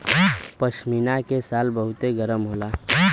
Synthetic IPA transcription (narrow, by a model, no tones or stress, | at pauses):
pəʃminakesaːlbəɦʊt̪eɡəɾəmɦola